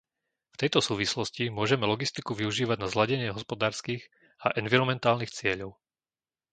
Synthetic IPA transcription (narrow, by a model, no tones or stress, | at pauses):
ft̪ɛjt̪ɔsuːʋislɔscimʊɔʒɛmɛlɔɡist̪ikuʋiuʒiːʋaɟnazlaɟɛɲɪɛɦɔspɔd̪aːɾskiːɣ | aʔɛnʋiɾɔmɛnt̪aːlnixt͡sɪɛʎɔʊ